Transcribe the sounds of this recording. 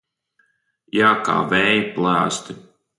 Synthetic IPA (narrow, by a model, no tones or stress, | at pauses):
jaːka̰ːvɛːjiplˠæːst̪i